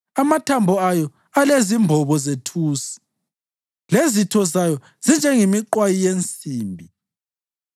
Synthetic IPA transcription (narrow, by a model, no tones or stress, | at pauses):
amatʰambʱɔajɔ | alezimbʱɔβɔzetʰuːsi̥ | lezitʰɔzajɔ | z̥ind͡ʒʱɛŋimiǃwajijent͡sʼiːmbʱi